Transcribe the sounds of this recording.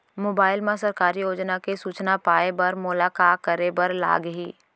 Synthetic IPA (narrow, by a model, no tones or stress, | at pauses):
moːbaːɪlmẽsɐɾkaːɾijoːd͡ʒnakesuːt͡ʃnapaːebɐɾmʊlaːkaːkəɾebɐɾla̰ːɡɦiː